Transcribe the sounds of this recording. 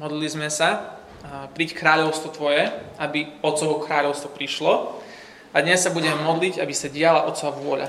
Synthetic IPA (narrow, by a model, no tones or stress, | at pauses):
mɔd̪lilizmɛsa | pɾickɾaːʎɔʊst̪ʋɔt̪ʋɔjɛʔabiɔt̪t͡sɔʊkɾaːʎɔʊst̪ʋɔpɾiʃlɔ | ad̪ɲɛsːabuɟɛmɛmɔd̪liɟabisaɟɪalaʔɔt̪t͡sɔʋaʋʊɔʎa̰